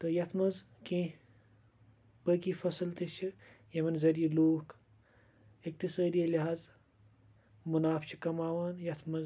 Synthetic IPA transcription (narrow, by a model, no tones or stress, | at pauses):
t̪ɨjɐt̪ʰmɐz | kẽː | pəːkifɐsɨlt̪it͡ʃʰijɐmɐnzɐɾijiloːk | ik̚t̪isɐːd̪iɐliɦaːz | munaːfʰt͡ʃʰikɐmaːʋaːnjɐt̪ʰmɐz